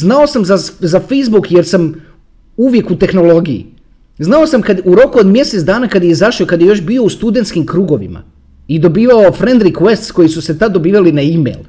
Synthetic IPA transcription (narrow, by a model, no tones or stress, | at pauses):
znao̞samzazafejzbukje̞ɾsam | uʋje̞kut̪e̞xno̞lˠo̞ɡijḭ | znao̞samkad̪uɾo̞kuo̞d̪mje̞set̪d̪aːnakad̪jeizaʃiokad̪jejo̞ʃbio̞ust̪ud̪e̞nt̪skimkɾuːɡo̞ʋḭma̰ | id̪o̞biːʋaofɾe̞nd̪ɾikwe̞st̪sko̞jisuse̞t̪ad̪ːo̞biːʋalinaimḛjlˠ